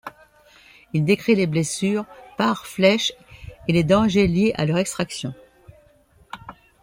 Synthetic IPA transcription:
ild̪ekχileblesyʁpaʁflɛʃeled̪ɑ̃ʒeljeʔa̰lœʁɛkst̪χaksjɔ̃

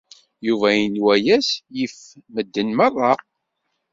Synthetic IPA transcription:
juvæjənwæjæsjəfməd̪ːənmɑrˤːɑ

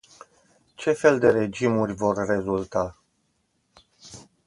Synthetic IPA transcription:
t͡ʃe̞fe̞ld̪e̞ɾe̞d͡ʒimurʲvo̞rːe̞zult̪a

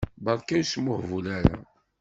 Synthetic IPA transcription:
bɑɾˤkæjsmʊħvulæɾæ̰

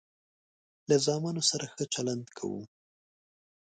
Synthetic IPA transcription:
lazɑmɑnosaɾaxət͡ʃaland̪kʰa̰wṵ

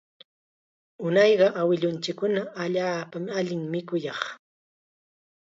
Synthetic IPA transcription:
ʊnɑjɢɑʔawɪʎʊnt͡ʃɪkːʊnaaʎaːpamaʎɪŋmɪkʊjɑχ

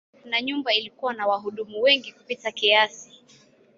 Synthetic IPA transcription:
naɲumbailikuwanawaɦuɗumuwɛŋɡikupitakiasi̥

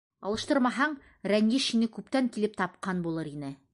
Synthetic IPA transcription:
ɑ̰lˠɤ̆ʃt̪ɤɾmɑɦɑɴ | ɾæŋɡiʃinɘkʉpt̪æŋkilɘp̚t̪ɑp̚qɑnbulˠɤɾinɘ

